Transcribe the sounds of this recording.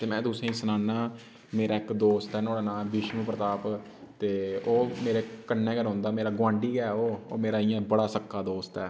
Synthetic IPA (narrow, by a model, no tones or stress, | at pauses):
t̪eːmɛ̃ːt̪ʊsẽːĩːsənaːnaː | meːɾaːɪkd̪oːst̪ɛːnoːɽaːnaːbiːʃmũːpɾət̪aːp | t̪eːoːmeːɾeːkənːẽːkəɾɦõːnd̪aːmeːɾaːɡwãːɳɖiːɡɛːoːo̰ːmeːɾaːɪjãːbəɽaːsəkːaːd̪oːst̪ɛː